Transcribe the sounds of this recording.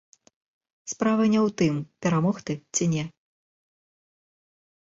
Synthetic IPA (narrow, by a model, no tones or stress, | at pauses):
spɾavɐnʲɛwt̪ɨmpʲɛɾamɔxt̪ɨt͡sʲinʲɛ